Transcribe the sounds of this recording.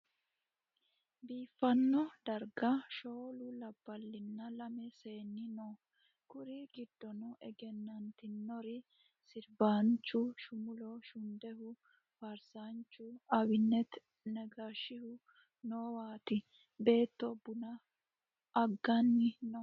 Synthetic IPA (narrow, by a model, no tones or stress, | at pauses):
biːfːɐnːɔd̪ɐɾɡɐʃo̞ːlʊlɐbːɐlːɪnːɐlɐmɛse̞ːnːɪnɔ | kʊɾiːɡɪd̪ːɔnʊʔɛɡɛnːɐnt̪ɪnːɔɾɪ | sɪɾbaːnt͡ʃːʊʃʊmʊloːʃʊnd̪ɛɦʊ | fɐɾsaːnt͡ʃːʊɐwɪnːɛt̪ | nɐɡaːʃɪhʊ | noːwaːt̪ɪ | be̞ːt̪ːɔbʊnɐ | ɐɡːɐnːɪnɔ